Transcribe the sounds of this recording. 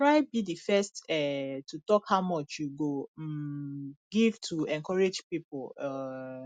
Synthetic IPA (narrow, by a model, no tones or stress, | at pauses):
tɹaɪbidifɛstɛtutɔkhaʊmɔt͡ʃjuɡom̩ | ɡivtʰuɛ̃ŋkɔɹed͡ʒpipʊɔ